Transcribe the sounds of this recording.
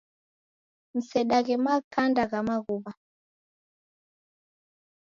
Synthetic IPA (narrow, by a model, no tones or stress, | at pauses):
m̩sɛɗaɣɛmakandaɣamaɣuβa